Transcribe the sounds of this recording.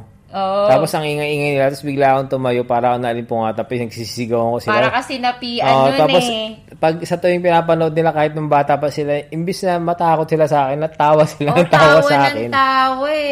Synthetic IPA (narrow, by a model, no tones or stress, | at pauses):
ʔoʔ̪aːposʔɐŋʔɪŋaʔɪŋajnɪlat̪ɐsbɪɡlaːʔɐkont̪ʊmɐjopaːɾɐʔonɐʔɐlɪmpʊŋaːt̪ɐpɐsnɐɡsiːssɪɡɐwɐko̞sɪlakɐsɛnɐpiʔɐʔ̪aːpos | pɐɡ̚sɐt̪ojoŋpɪnaːp̬ɐnoʔod̪̚nɪlakaːhɪt̪nʊŋbaːt̪ɐʔpɐsɪlaʔɪmbɪsnɐmɐt̪aːkot̪̚sɪlasɐaːkɛnːɐt̪aːwɐsɪlaɐŋt̪aːwɐsʔaːkɛnaːw